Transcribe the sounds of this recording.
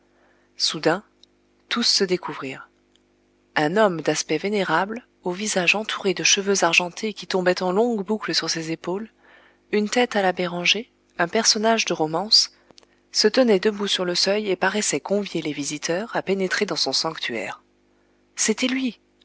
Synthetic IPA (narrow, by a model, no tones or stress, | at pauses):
sud̪ɛ̃ | t̪usːəd̪ekuvʁiːʁ | ɛ̃nɔmd̪aspɛveneʁabl | ovizaʒɑ̃t̪ʰuʁed̪əʃəvøzaʁʒɑ̃t̪ʰekʲit̪ɔ̃bɛt̪ɑ̃lɔ̃ɡbukləsyʁsezepol | ynt̪ɛt̪alabeʁɑ̃ʒe | ɛ̃pɛʁsɔnaʒd̪əʁɔmɑ̃sː | ət̪ənɛd̪əbusyʁləsœjepaʁɛsɛkɔ̃vjelevizit̪ʰœʁapenet̪χed̪ɑ̃sɔ̃sɑ̃kt̪ʰyɛ̰ːʁ | set̪ɛlɥi